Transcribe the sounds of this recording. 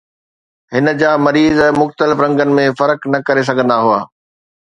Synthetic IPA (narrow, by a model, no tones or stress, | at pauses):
ɦɪnə̆d͡ʑaːmɐɾiːzɛ̃ːmʊxt̪əlɪfɾɐ̃ŋɡənɪ̆mẽfɐɾknɐkɐɾes̬ɐɡʱə̃nd̪aɦua̰ː